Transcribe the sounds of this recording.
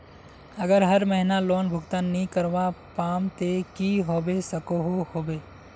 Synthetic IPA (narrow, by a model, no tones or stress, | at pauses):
əɡəɾɦɐɾməɦɪnaloːnbʱʊɡt̪anːĩkəɾʋapaːmt̪ekiɦoːbesɐkoɦohoːbeː